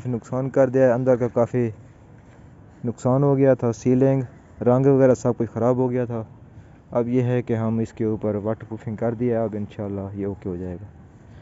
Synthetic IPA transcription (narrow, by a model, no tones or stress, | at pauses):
finʊksaːnkɐɾd̪ɪjaɛɐ̃nd̪əɾkakaːfi | nʊksaːnɦoːɡɐjat̪ʰasiːlɪ̃ŋɡ | ɾɐ̃ŋɡʋɐɣɛːɾasɐb̚kʊt͡ʃʰxɐɾaːbɦoɡɐjat̪ʰa | ɐbjeɦɛkeɦɐmɪskeuːpəɾʋɐʈpɾuːfʰɪ̃ŋɡkɐɾd̪ijaɦɛɐbɪnʃaːlːajeoːkeɦod͡ʒaːeːɡaː